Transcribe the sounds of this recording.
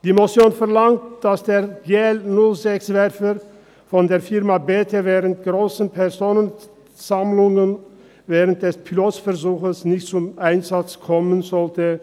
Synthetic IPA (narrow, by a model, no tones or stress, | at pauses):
d̥iːmɔsjoːnfɛɐlaŋtd̥asd̥eːɐɡeːlnʊlzɛksv̥ɛʁfə | fɔndeːɐfɪʁmaːbɛːtʰəvɛːʁəntɡ̥ʁoːsn̩pʰɛʁzoːnən | z̥amlʊŋən | vɛːʁənt̚d̥ɛspʰiloːtfɛɐzuːxəsnɪçtt͡sʊmʔaɪnzat͡skʰɔmənzɔltə